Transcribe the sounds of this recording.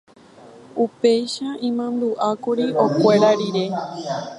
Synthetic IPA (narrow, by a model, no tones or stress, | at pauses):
upe̞jʃaʔĩmãnd̪uʔakuɾiʔo̞kʷe̞ɾaɾiɾe̞